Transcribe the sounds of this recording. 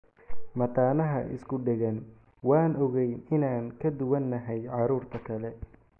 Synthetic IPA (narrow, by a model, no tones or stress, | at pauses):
mɐt̪ʰaːnɐɦɐʔɪ̰skʰʊɖɛɣɐn | wɑːnɔɣɛjɪnaːŋkʰɐd̪ʊwɐnːɐɦɛjʕɑɾuːrt̪ʰɐkʰɐlɛ